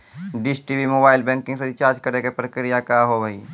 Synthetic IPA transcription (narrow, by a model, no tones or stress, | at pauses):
ɖɪsʈiʋimoːbaːɪlbɛ̃ːŋkɪ̃ŋɡseɾit͡ʃaːɾd͡ʒkəɾekepɾəkɾijakaɦobɐiː